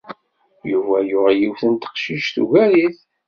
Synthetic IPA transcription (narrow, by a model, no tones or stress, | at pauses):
juvæjʊʁæjiwθənt̪ə̥qʃiʃθṵʝæliθ